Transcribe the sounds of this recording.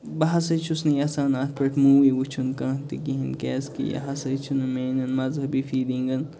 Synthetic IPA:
bɐɦɐsɐt͡ʃʰusnijasaːnaːt̪̚ʰpɐʈʰmuːʋiwut͡ʃʰunkɐːt̪ikiɦɐnkɛːskḭjɐ̰ɦɐsɐt͡ʃʰunumeːnɐnmɐzɦɐbifiːd̪ĩŋɡɐn

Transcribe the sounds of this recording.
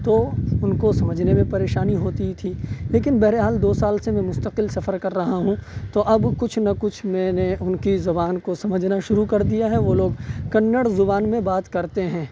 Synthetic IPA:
t̪oʊnkosɐməd͡ʒʱnemẽpɐɾeːʃaːniɦoːt̪it̪ʰileːkɪnbɛɦɾeɦaːld̪oːsaːlsemɛ̃mʊst̪əqɪlsɐfəɾkɐɾːɐɦaɦũt̪oʔɐbkʊt͡ʃʰnɐkʊt͡ʃʰmɛ̃ːneʔʊnkizʊbaːnkosɐməd͡ʒʱnaʃʊɾukɐɾd̪ijaɦɛʋoːloːɡkɐnːəɽzʊbaːnmẽbaːt̪kɐɾt̪eɦɛ̃ː

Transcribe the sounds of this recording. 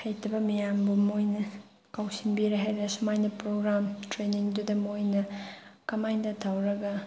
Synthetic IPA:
hʰɐjtʰɐbɐmijambɐmojnɐ | kawsinbiɾeɦajɾesɐmajnɐpɾoɡɾamtɾeniŋdudɐmojnɐkɐmajdɐtʰawɾɐɡɐ

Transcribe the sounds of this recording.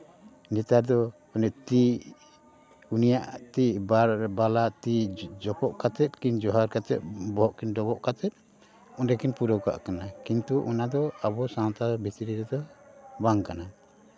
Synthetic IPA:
nit̪aɾd̪ɔ | ɔnɛt̪i | unijaʔt̪iʔbabalaʔt̪id͡ʒɔpɔʔkat̪ɛt̪̚kind͡ʒɔɦaɾkat̪ɛ̰t̪̚bɔɦɔʔkinɖɔbɔʔkat̪ɛt̪̚ˀ | ɔɖɛkinpuɾɔka̰ʔkanakint̪uʔɔnad̪ɔabɔsant̪abʱit̪ɾiɾɛd̪ɔbaŋkana

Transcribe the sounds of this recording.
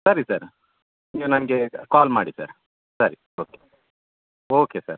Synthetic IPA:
sɐɾisɐɾ | iʋɐnɐnɡekaːlmaːɽisɐ̰ɾ | sɐɾi | oːke | oːkesɐ̰ɾ

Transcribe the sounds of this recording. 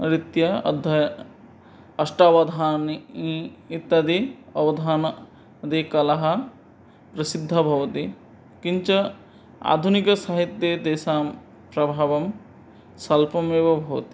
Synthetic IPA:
ɾit̪jɐɐ̰d̪ʱɐ | ɐsʈaʋɐd̪ʱaːniit̪ːɐd̪iɐʋɐd̪ʱaːn | d̪ikɐlɐɦɐ̆ | pɾɐsid̪ʱːɐbʱɐʋɐt̪i | kiɲt͡ʃɐ | a̰ːd̪ʱunikɐsaɦit̪jed̪eːsaːm | pɾɐbʱaːʋɐm | sɐlpɐmeʋɐbʱɐʋɐt̪i

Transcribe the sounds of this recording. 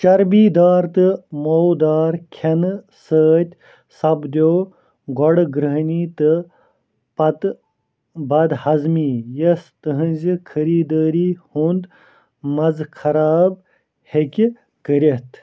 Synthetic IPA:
t͡ʃɐɾbiːd̪aːɾt̪ɨmowd̪aːɾkʲʰen | səːt̪ʲ | sɐbd̪ʲoː | ɡɔɽɡɾəɦniːt̪ɨ | pɐt̪ | bɐd̪hɐzmiːjɐst̪ɨɦɨ̃nʲzikʰəɾiːd̪əːɾiːhund̪ | mɐzkʰɐɾaːb̚ | hekʲ | kəɾʲet̪ʰ

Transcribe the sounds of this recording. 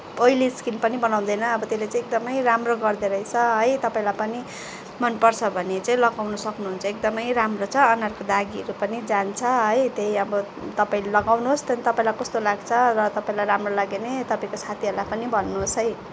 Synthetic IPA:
pʌiliskilpʌnibʌnaw̃d̪ʌjnʌʌbʌt̪elet͡sãĩːek̚d̪ʌmʌjramroɡʌrd̪eɾʌit͡sʰʌɦʌjt̪ʌpaĩlajpʌni | mʌnpʌrt͡sʰʌbʱʌnet͡saĩlʌɡawnʌsʌknuɦunt͡sʰʌek̚d̪ʌmʌjɾamrot͡sʰʌːnarkod̪aɡiʌɾupʌnid͡zant͡sʰʌɦʌjt̪eɦiʌbʌ | t̪ʌpaĩllʌɡawnuɦost̪ʌnit̪ʌpaĩlajkʌst̪olaɡt͡sʰʌrʌt̪ʌpaĩlajɾamrolaɡenet̪ʌpaĩkosʰat̪ʰiɦʌɾlajpʌnibʱʌnːuɦːsɦʌj

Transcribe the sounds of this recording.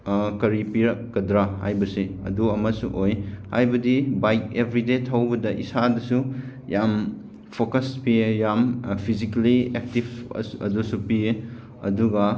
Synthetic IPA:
kɐɾipiɾɐkːɐdɾaha̰jbɐseɐ̰duɐmɐsṵʔojha̰jbɐdibajk̚ebʱɾidetʰawbɐdɐʔḭsadɐsu | jam | pʰokɐspiejampʰizikɐliek̚tib̰ɐ̰dusupie | ɐ̰duɡɐ

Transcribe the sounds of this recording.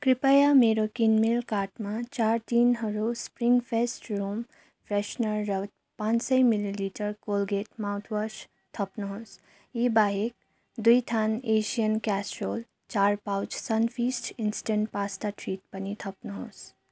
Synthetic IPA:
kɾipəjameːɾokinmilkaːɾʈmãt͡ʃaːɾt̪iːnɦəɾospɾiŋɡfʰesʈɾuːm | fʰɾeʃnəɾːəʋt̪̚ | pãːt͡ʃsəimililiːʈəɾkoːlɡeːʈmawt̪ʰʋəʃ | t̪ʰɐpnəɦos | iːbaːɦek̚ | d̪ujt̪ʰaːneːʃijənkɛːsʈɾoːl | t͡ʃaːɾpawt͡ʃsɐnfiːsʈinsi̥ʈẽɳʈpaːst̪aʈʰɾiːt̚pənit̪ʰɐpnəɦos

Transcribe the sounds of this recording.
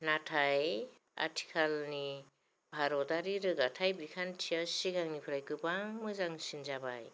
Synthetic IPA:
natʰaj | a̰tʰi̥kʰalni | bʱaɾɔtaɾiɾɯɡatʰajbikʰantʰijasiɡaŋnipʰɯɾajkɯbaŋmɯzaŋsinzabaj

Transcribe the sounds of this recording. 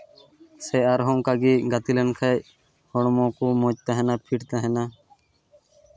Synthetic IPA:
seːaɾɦõːŋkaɡiːɡət̪ilənkʰəj | hoɳmõːkoːmõːt͡ʃt̪ãɦenãːpʰiʈt̪aːɦenãː

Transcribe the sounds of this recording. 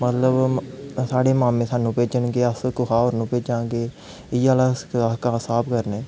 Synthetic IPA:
mət̪ləbsaːɽeːmãːmẽːsaːnũːpeːd͡ʒəɳɡeːəskʊkʰaːoːɾnũːpeːd͡ʒãːɡeː | ɪːaːlãːakaːsaːpʰkəɾneː

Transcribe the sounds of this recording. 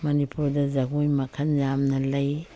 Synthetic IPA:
manipʰuɾdazaɡujmakʰanjamnalaj

